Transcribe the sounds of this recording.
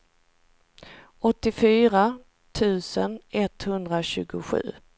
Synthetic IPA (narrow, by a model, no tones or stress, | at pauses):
ɔt̪ːɪfyːɾa | t̪ʰʉ̟ːsənɛt̪hɵnd̪ɾaɕʉ̟ːɡʊɧʉ̟̰ː